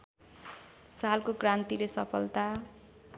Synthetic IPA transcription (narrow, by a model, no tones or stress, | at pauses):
salkokrãnt̪ilesʌpʰʌlt̪a